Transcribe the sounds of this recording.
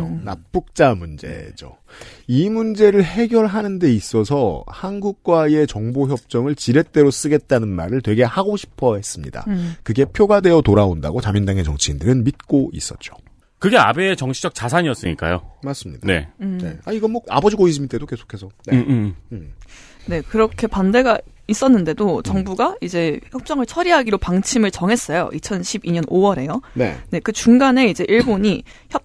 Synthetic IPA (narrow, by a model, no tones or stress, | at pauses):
onap͈uk̚t͡ɕ͈amund͡ʑe̞̰d͡ʑo̰ | imund͡ʑe̞ɾɯɭhe̞ɡjʌɭɦanɯnde̞is͈ʌsʰʌhanɡuk̚k͈wae̞t͡ɕʌŋboçjʌp̚t͡ɕ͈ʌŋɯɭt͡ɕiɾe̞t͈e̞ɾos͈ɯɡe̞t̚t͈anɯnma̰ɾɯɭtwe̞ɡe̞haɡoɕʰi̥pʰʌɦe̞s͈ɯmɲḭda̰kɯɡe̞pʰjoɡade̞jʌtoɾaonda̰ɡot͡ɕamjindaŋe̞t͡ɕʌŋt͡ɕʰiindɯɾɯnmit̚k͈oḭs͈ʌ̰t̚t͡ɕ͈o̥ | kɯɡe̞a̰be̞ːt͡ɕʌŋt͡ɕʰid͡ʑʌk̚t͡ɕasʰaɲiʌs͈ɯɲik͈a̰jomaɭs͈ɯmɲidaane̞̰ne̞̰aiɡʌnmwʌa̰bʌd͡ʑiɡoid͡ʑimit͈e̞doke̞sʰo̥kʰe̞sʰʌne | ne̞kɯɾʌkʰe̞pande̞ɡais͈ʌnːɯnde̞dot͡ɕʌŋbuɡaid͡ʑe̞çjʌp̚t͡ɕ͈ʌŋɯɭt͡ɕʰʌɾiɦaɡiɾopaŋt͡ɕʰimɯɭt͡ɕʌŋɦe̞s͈ʌjo̰ʔit͡ɕʰʌnɕʰibiɲʌnʔowʌɾe̞jone̞̰ne̞kɯt͡ɕuŋɡane̞id͡ʑe̞ʔiɭboɲi | çjʌp̚